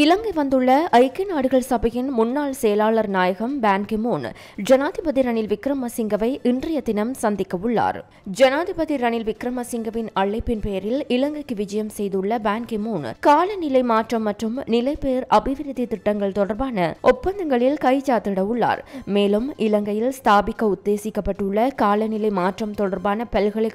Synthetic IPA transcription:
ɪlɐŋɡɐɪʋɐnd̪ɯɭːɐʔɐɪkːɪnaːɽɯɣɐɭsɐbɐjɪnmʊnːaːɭsɛjɐlaːɭɐɾnaːjɐɣɐmbaːnɡɪmuːn | d͡ʒɐnaːðɪbɐðiɾɐɳɪlʋɪkɾɐmɐsɪŋɡɐʋɐɪʔɪndrɪjɐd̪ɪnɐmsɐnd̪ɪkːɐʋɯɭːa̰ːɾ | d͡ʒɐnaːðɪbɐðiɾɐɳɪlʋɪkɾɐmɐsɪŋɡɐʋɪnɐɭːɐɪpːɪnpejɐɾɪlɪlɐŋɡɐɪkːɯʋɪd͡ʒɐjɐmsɛjðɯɭːɐbaːnkɪmuːnkaːlɐnɪlɐɪmaːʈrɐmːɐʈrɯmnɪlɐɪpeːɾɐbɪʋɪɾɪðit̪ɪʈːɐŋɡɐɭt̪ɔɽɐɾbaːnɐʔɔpːɐnd̪ɐŋɡɐɭɪlkɐɪt͡ʃaːt̪ːɪɽɐʋʊɭːa̰ːɾmeːlɯmʔɪlɐŋɡɐjɪlst̪aːbɪkːɐʊd̪ːeːsɪkːɐpːɐʈːɯɭːɐkaːlɐnɪlɐɪmaːʈrɐmt̪ɔɽɐɾbaːnɐpɛlɣɐɭɪ

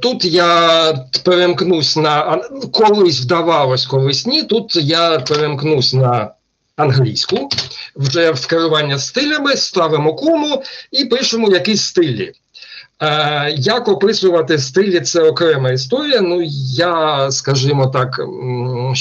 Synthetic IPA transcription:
t̪ut̪ja | peɾemknusʲnɐkɔlˠɪsʲwd̪ɐʋɑlˠɔsʲkɔlˠɪsʲnʲit̪ut̪japeɾemknusʲnɐ | ɐnɦlʲḭjsʲkʊwʒɛwskeɾʊʋɑnʲːɐst̪ɪlʲɐmɪst̪ɑʋɪmɔkumʊipɪʃʊmʊjɐkisʲst̪ɪlʲːḭ | jakɔpɪsʊʋɐt̪ɪst̪ɪlʲːit̪sɛɔkɾɛmɐis̬t̪ɔɾʲijɐnujaskɐʒɪmɔt̪ɑk

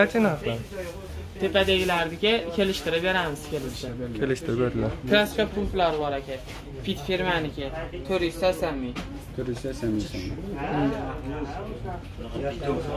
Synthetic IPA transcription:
at͡ʃʰɪnhaχaɾ | t̪ʰepad̪eɡʲlaɾd̪ɪkʲakʲʰe̞lɪʃt̪ɪɾɪbeɾamɪz̥kʲʰelɪsʃakʲʰelɪʃt̪ʰɪɾɪbeɾd̪ɪlaɾkʰlˠaskʲapʰump̪laɾbɒɾakʲʰa | fit̪fiɾmanɪkʲʰɪt̪ʰoɾist̪asamːi | t̪ʰʊɾist̪asami

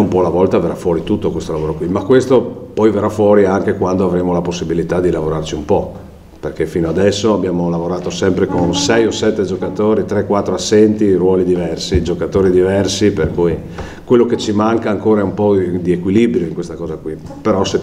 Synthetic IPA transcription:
umpɔlavɔlt̪aveɾrafwɔːɾit̪ut̪ːokwest̪olavoːɾokwimakːwest̪opɔjveɾafwɔɾiaŋkekwand̪oavɾeːmolaposːibilit̪ad̪ilavoɾart͡ʃiumpɔ | perkefinoad̪ɛsːoabjaːmolavoɾaːt̪osɛmpɾekonsɛjosɛt̪ːed͡ʒokat̪oːɾit̪ɾɛkːwat̪ːɾoasːɛnt̪irwɔːlid̪ivɛrsid͡ʒokat̪oːɾid̪ivɛrsiperkuj | kwelːoket͡ʃimaŋkaːŋkoːɾaɛumpɔd̪iekwilibɾjoiŋkwest̪akɔːzakwi | peɾɔse

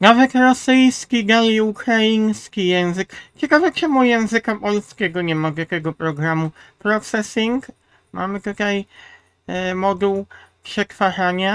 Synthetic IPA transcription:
navɛt̪ɾɔsɘjskʲiɡalʲiukɾajinskʲijɛ̃w̃zɘkt͡ɕɛkavɛt͡ʃɛmujɛ̃w̃zɘkapɔlskʲɛɡɔɲɛmaɡjakʲɛɡɔpɾɔɡɾamupɾɔksɛsʲiŋɡ | ma̰mɘt̪ut̪aj | mɔd̪uwpʂɛkfaʐaɲa

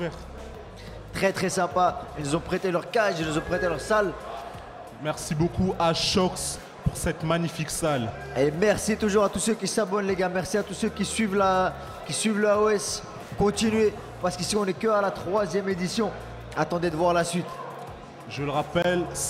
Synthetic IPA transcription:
ɛ | t̪χɛt̪χɛsɛ̃pailnuzɔ̃pχet̪elœʁkaʒilnuzɔ̃pχet̪elœʁsal | mɛʁsibokuʔaʃɔks | puʁsɛt̪maɲifiksal | emɛʁsit̪uʒuʁat̪usøkʲisabɔnleɡamɛʁsiat̪usøkʲisɥivla | kʲisɥivləoɛs | kɔ̃t̪inɥe | paʁsə̥kəsiɔ̃nɛkəalat̪χwazjɛmed̪isjɔ̃ | at̪ɑ̃d̪ed̪əvwaʁlasɥit̪ | ʒələʁapɛl

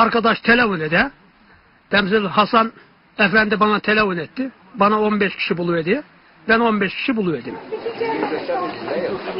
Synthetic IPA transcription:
ɑɾkɑd̪ɑʃt̪ʰelefoned̪æ | t̪ʰæmsilhɑsɑn | æfænd̪ibɑnɑt̪ʰelefonet̪ːi | bɑnɑo̞nbeʃcʰi̥ʃibulˠued̪i | bæno̞nbeʃcʰi̥ʃibulˠued̪im

